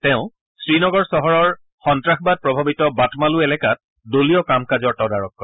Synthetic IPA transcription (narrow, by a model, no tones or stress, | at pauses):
tɛʊ̃ | sɹinɔɡɔɹsɔɦɔɹɔɹ | xɔntɹaxbad̚pɹɔbʱabitɔbatmaluɛlɛkat̚ | doliɔkamkazɔɹtɔdaɹɔkːɔɹ